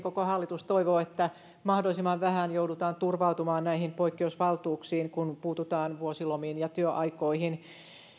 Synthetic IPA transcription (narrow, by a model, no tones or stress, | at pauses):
kokohɑlːit̪ust̪oiʋoːet̪ːæ | mɑhdolisimɑʋʋæhænjoudut̪ɑːnt̪urʋɑut̪umɑːnnæihimpoikːeusʋɑlt̪uːksiːŋkunpuːt̪ut̪ɑːnʋuosilomiːnjɑt̪yøʔɑikoihin